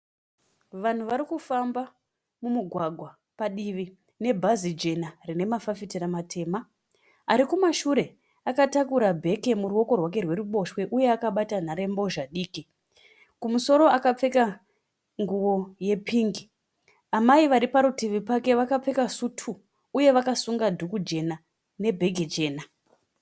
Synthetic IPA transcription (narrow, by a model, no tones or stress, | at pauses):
ʋan̤uʋaɾikufamba | mumuɡʱwaɡʱwa | paɗiʋi | ne̞bʱazid͡ʒe̞narine̞mafafitiramatʰe̞ːma | aɾikumaʃuɾe̞ | akatakuɾabʱe̞ke̞muɾuwo̞ko̞rwake̞rwe̞ruɓo̞ʃwe̞ʔuje̞akaɓatan̤aɾe̞mbo̞ʒaɗiːki | kumuso̞ɾo̞akap͡fe̞ka | ŋɡuwo̞je̞piːŋɡi | amaiʋaɾipaɾutiʋipake̞ʋakap͡fe̞kasutʰuː | je̞ʋakasuŋɡadʱukud͡ʒe̞na | ne̞bʱe̞ɡʱed͡ʒe̞ːna